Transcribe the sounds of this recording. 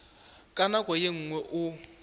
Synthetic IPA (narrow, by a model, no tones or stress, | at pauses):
kʼanakʼwɔjeŋ̩ŋwɛʔʊ